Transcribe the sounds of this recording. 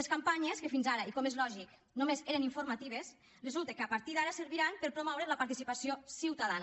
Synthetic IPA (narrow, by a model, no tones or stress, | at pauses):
eskampaɲeskefinzaɾaikomezlɔʒik | nomezeɾeniɱfuɾmat̪iβ̞es | rezulˠt̪ekəapaɾt̪iðaɾaseɾβiɾampeɾpɾomɔwɾeləpaɾt̪isipasiosiwt̪aðan